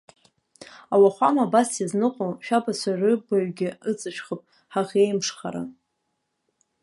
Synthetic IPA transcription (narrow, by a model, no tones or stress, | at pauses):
awaχʷamabasaznɨqʷʼoʃᶣabasʷʰaʕʷʏbaɥɡʲɪɨt͡sʼɨʃχəpʼ | ħaʁʲejmʂχa̰ɾa̰